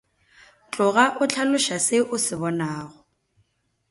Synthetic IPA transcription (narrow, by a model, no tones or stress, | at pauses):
t͡ɬʼʊɣaʔʊt͡ɬʰalʊʃasɪʔʊsɪbɔnaːɣɔ